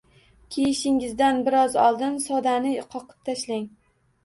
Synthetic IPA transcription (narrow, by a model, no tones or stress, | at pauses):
kʲʰejɪʃɪŋɪzd̪anbɪɾɒzɒ̰lˠd̪ɪnsɒd̪anɪqʰɒqʰɨ̥p̚t̪ʰaʃlaŋ